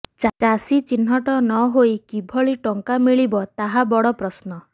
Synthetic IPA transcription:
t͡ʃat͡ʃasit͡ʃin̤ɔʈɔnɔɦojkibʱɔɭiʈɔŋkamiɭibɔt̪aɦabɔɽɔpɾɔsnɔ

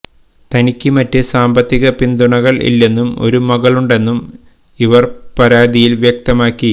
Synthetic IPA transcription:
t̪ɐnikʲːɨmɐtːɨsaːmbɐt̪ːiɣɐpind̪uɳɐɣɐɭʔḭlːe̞nːumo̞̰ɾumɐɣɐɭuɳɖe̞nːum | iʋɐrpɐɾaːd̪ijilʋjek̚t̪ɐmaːkːi

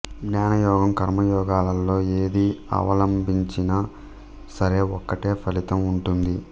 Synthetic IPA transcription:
ɡnaːnɐjɔːɡɐmkɐɾmɐjɔːɡaːlɐlːo̞ːeːd̪iɐ̰ʋɐlɐmbiɲt͡ʃinɐ | sɐɾe̞ːɔkːɐʈe̞ːpʰɐlit̪ɐmuɳʈund̪i

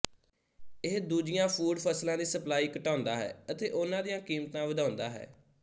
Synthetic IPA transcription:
ɪɦd̪uːd͡ʒɪjãːpʰuːɖpʰəslãːd̪iːsəplaːiːkəʈãːʊnd̪aːɦɛ̰ːət̪eːʔʊnãːd̪ijãːkiːmt̪ãːʋəd̪ʱaːnd̪aːɦɛ̰ː

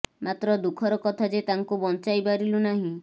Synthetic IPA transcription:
mat̪ɾɔd̪ukʰɔɾɔkɔt̪ʰad͡ʒet̪aŋkubɔnt͡ʃajbaɾilunaɦĩ

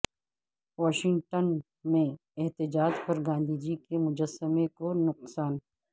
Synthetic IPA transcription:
ʋɔːʃɪ̃ŋʈən | mẽɛɦt̪ɪd͡ʒaːd͡ʒpɐɾɡãːnd̪ʱid͡ʒikemʊd͡ʒəsːəmekonʊqsaːn

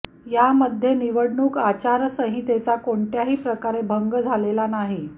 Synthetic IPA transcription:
jaməd̪ʱːjeniʋəɽɳuːkat͡ɕaɾsəɦit̪et͡sakoɳʈjaɦiːpɾəkaɾebʱəŋɡəd͡zʱalelanaɦi

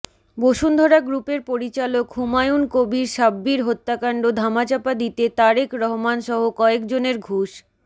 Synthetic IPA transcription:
boʃund̪ʱɔɾaɡɾupeɾpoɾit͡ɕalokɦumajunkobiɾʃabːiɾɦot̪ːakaɳɖod̪ʱamat͡ɕapad̪it̪et̪aɾekɾɔɦomanʃɔɦokɔekd͡ʑoneɾɡʱuʃ

